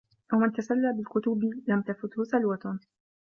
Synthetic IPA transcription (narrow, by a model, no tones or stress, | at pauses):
ʔawmant̪asalːaːbɪlkʊt̪ʊbɪlamt̪afʊt̪hʊsalwat̪ʊ